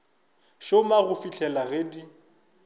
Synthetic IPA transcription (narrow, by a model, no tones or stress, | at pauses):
ʃomaɣʊfit͡ɬʰɛlaɣedi